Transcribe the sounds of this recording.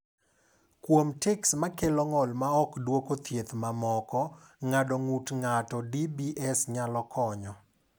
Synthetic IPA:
kwomtɛksmakelɔŋɔlmaɔkdwokot̪jet̪mamɔkɔ | ŋadɔŋutŋatɔdibiʔɛsɲalɔkʰɔɲɔ

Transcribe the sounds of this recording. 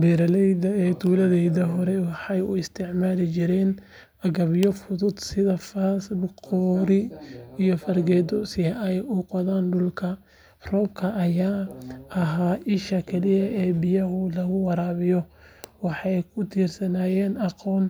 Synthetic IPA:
bɛːɾɐlɛjðɐɛːt̪ʰuːlɐðɛjðɐɦɔɾɛwɑħɑjʊ̰ɪst̪ʰɪʕmaːlɪt͡ʃɪɾɛːn | ɐɣɐβjɔfʊðʊd̪sɪðɐfasbqɔːɾɪijɔfɐrɡɛːd̪ɔsɪɐʔɛjʔʊqɔðaːnɖʊlkʰɐ | rɔːbkʰɐʔːjaːʔɐɦaːʔɪʃɐkʰɛlɪjɐʔɛːbɪjɐɦʊlɐɣʊwɑɾaːβɪjɔwɑħɑjkʰʊt̪ʰiːrsɐnaːjɛːnɑqɔːn

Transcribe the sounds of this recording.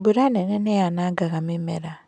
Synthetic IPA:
buɾanɛnɛnɛjanaɡaɣamemɛ̰ɾa

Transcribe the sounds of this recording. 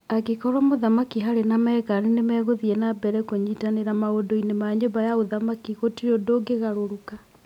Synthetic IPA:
akekɔɾwamoðamakiɦaɾenamɛːɣaɾenemɛːɣoðiɛnabɛɾɛkoɲiːtaneɾamaodoinemaɲobajaoðamakiɣotiɾodoːɡeɣaɾoɾuka

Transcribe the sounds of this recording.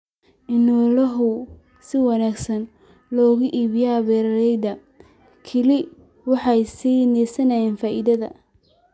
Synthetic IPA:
ʔɪnɔlɐɦʊ | sɪwɑnaːɡsɐn | lɔːɣʊʔiːβjaβɛːɾɐlɛjd̪ɐ | kʰɪlɪ | wɑħɑjsiːnɛːsɐnɐjɛːnfaːʔɪðɐðɐ̰

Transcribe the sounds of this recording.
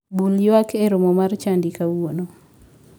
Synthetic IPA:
buljwakʰeɾomomart͡ʃandikawono

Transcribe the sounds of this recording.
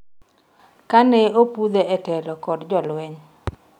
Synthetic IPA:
kanɛopud̪eɛtɛlɔkɔdd͡ʒɔlwɛɲ

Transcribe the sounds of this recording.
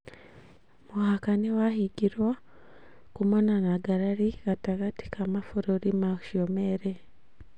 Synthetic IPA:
muhakanewahiɟiɾwa | kumonanaɡaɾaɾiɣataɣati̥kamafuɾoɾimaku̥ʃomeɾe

